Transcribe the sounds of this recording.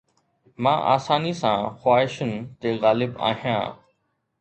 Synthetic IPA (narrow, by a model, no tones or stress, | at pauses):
mãːʔa̰ːsaːnisãːxwaːɦɪʃənɪ̆t̪eːɣaːlɪba̰ːɦijã̰ː